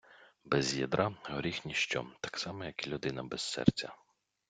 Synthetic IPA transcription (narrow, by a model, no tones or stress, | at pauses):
bɛzjid̪ɾʔɑɦɔɾʲixnʲiʃt͡ʃɔ̰t̪ɑ̥ksɑmɛjɐkilʲʊd̪ɪnɐbɛsːɛ̰rt͡sʲɐ